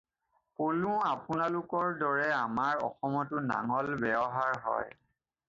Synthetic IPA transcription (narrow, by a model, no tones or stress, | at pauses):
polũapʊnalʊkɔɹdɔɹɛamaɹɔ̰xɔmɔtʊna̰ŋɔlbɛɔɦaɹɦɔ̰j